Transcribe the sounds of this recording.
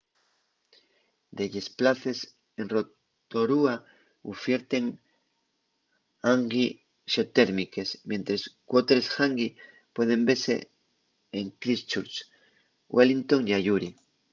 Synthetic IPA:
d̪eʎe̞splaθe̞s | enro̞ | t̪o̞ɾua | ufje̞ɾt̪e̞ŋ | aŋɡi | ʃot̪e̞ɾmike̞smje̞nt̪ɾe̞skwot̪eɾesxaŋɡi | pwe̞ð̞e̞mbe̞ɾse̞̰ | eŋkɾist͡ʃuɾt͡ʃ | wʔelint̪o̞ŋiaʝuɾi

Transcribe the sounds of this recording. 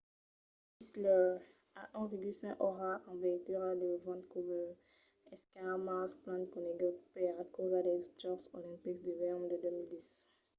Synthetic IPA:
islə | aʔɛ̃veɡylsɛ̃kʔɔʁaʔɑ̃vɛt̪yʁad̪əvɑ̃t̪kuvɛ | ɛskãamasplɑ̃nt̪kɔ̃neɡɔpɛʁakozad̪ɛst̪ɔʁsolĩpikd̪yvɛomd̪əd̪ømild̪is

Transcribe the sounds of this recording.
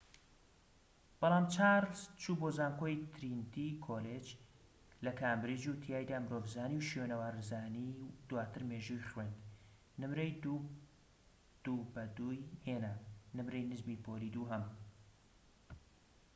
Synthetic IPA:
b̥ɑlˠɑːmt͡ʃaɾlst͡ʃʰuːboːzaːnkoːjt̪ʰɾint̪ʰikʰoled͡ʒ | lɐkʰaːmbɾid͡ʒut̪ʰijaːjd̪aːmɨɾoːvzaːniwʃjenɐwaːɾzaːnid̪waːt̪ɨɾmeːʒujχwend̪ | nɨmɾejd̪u | d̪̥ubɐd̪uːjheːnanɨmɾɛjnɨzmipʰoːlid̪uːɦɐm

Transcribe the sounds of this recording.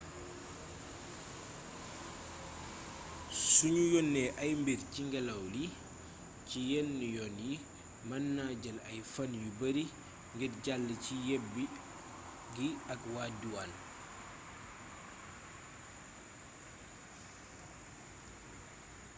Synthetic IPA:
suɲujɔnːɛʔɐjmbiɾciŋɡɛlɐwli | cijɛnːjɔnji | mɐnːaɟɐlɐjfanjubɐɾi | ŋɡitɟalːəcijɛbi | ɡiɐkwaːduwan

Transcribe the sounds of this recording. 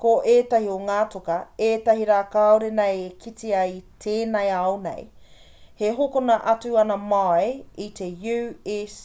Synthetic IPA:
koʔeːtɐɦioŋaːtokɐeːtɐɦiɾaːkaoɾenejekʰitiɐjtʰeːnɐjɐwnḛj | heɦokonɐʔɐtuɐnɐmajitʰejʉes

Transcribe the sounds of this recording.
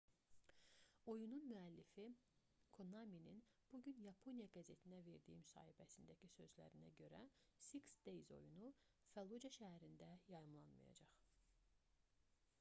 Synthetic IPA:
o̞jununmyælːifi | kʰo̞nɑmininb̥uɟynjɑpʰo̞nijɑɡæze̞t̪ʰinæve̞ɾd̪ijimysɑ̰ːhibæsind̪æcʰisø̞zlæ̰ɾinæ̰ɟø̞ɾæsiksd̪̥ejzo̞̰junufælˠud͡ʒɑʃæɦæɾind̪æjɑjɯmlˠɑnmɯ̰jɑ̰d͡ʒɑχ

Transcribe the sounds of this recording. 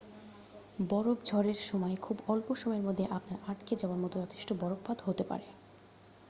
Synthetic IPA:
bɔɾobd͡ʑʱɔɾeɾʃɔmɔekʰubɔlpoʃɔmɔjeɾmod̪ʱːeʔapnaɾaʈked͡ʑaoaɾmɔt̪od͡ʑɔt̪ʰe̥ʃʈobɔɾok̚bad̪ɦot̪epa̰ɾe

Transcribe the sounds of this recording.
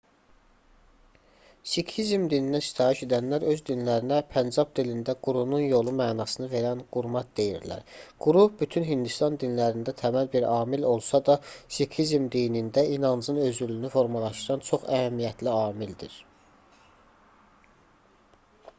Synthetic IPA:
sikʰhizmd̪ininæst̪ʰɑːiʃe̞d̪ænlæɾø̞zd̪inlæɾinæpʰænd͡ʒɑp̚d̪ilind̪æɡ̥uɾununjo̞lˠumæːnɑsɯnɯve̞ɾænɡ̥uɾmɑt̪̚d̪e̞jiɾlæ̰ɾɡ̥uɾubyt̪ʰynɦind̪ust̪ɑnd̪inlæɾind̪æt̪ʰæmælbiɾɑːmilo̞lˠsɑd̪ɑsikʰhizmd̪inind̪æinɑnzɯnø̞zylynyfo̞ɾmɑlˠɑʃt̪ɯɾɑnt͡ʃʰo̞χæhæmːijæt̪ʰliɑːmild̪ḭɾ̥

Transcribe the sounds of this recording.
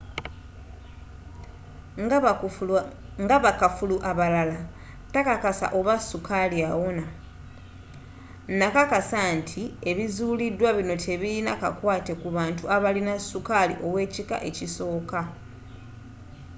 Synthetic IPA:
ŋɡaβakafuluʔaβalala | takakasa̰ʔo̞βasukʰaliawona | nakakasantʰie̞βizuːlidwaβino̞tʰe̞βilinakakwaːte̞kuβaːntuʔaβalinasːukalḭʔo̞we̞ːcika̰ʔe̞ciso̞ːka

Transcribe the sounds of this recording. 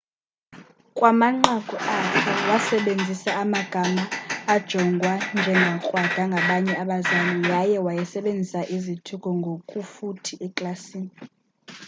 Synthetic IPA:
kʼwamaŋ͡ǃaɡ̥ʱuakʰɛwasɛɓend͡zʱisaːmaɡ̥ʱamaːd̥ʒ̥ʱɔŋɡʱwand͡ʒʱɛŋɡʱakʼwad̥ʱaŋɡʱaɓaɲɛaɓazalujajɛwajɛsɛɓend͡zʱisaʔizitʰukʼɔŋɡʱokʼufutʰiʔɛkʼlasiːni

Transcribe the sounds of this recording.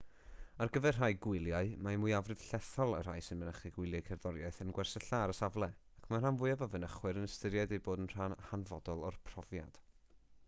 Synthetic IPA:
arɡəvɛrraːjɡwɪlˠjaɨmamujavrɨð̥ɬɛθɔlˠə̰r̥a̰ːjsɪnmənəχiɡwɪɨlˠjajkʰɛrðɔɾjaɨθənɡwɛrsəɬaɾəsavlˠɛakʰmanr̥anvʊɨavavənəχwɨɾənəstəɾjajdejboːdənr̥anhanvɔdɔlˠɔrpʰr̥ɔvja̰d̥

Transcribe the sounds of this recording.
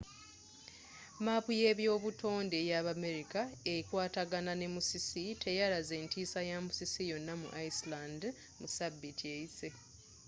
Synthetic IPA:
mapuje̞βjo̞ːβutʰo̞ːnde̞jaβame̞ɾikaeikwaːtaɡanane̞musisitʰe̞jaɾaze̞ːntiːsajamusisijo̞nːamṵʔaisland | musabːitiejise

